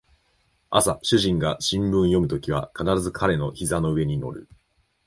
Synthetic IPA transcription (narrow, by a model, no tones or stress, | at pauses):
asaɕɨʑĩŋɡaɕĩmbɯ̟̃ɰ̃jo̞mɯ̟t̪o̞kʲiβ̞akanaɾazɨkʰaɾe̞no̞çizano̞ɯ̟e̞ɲ̟ino̞̰ɾɯ̟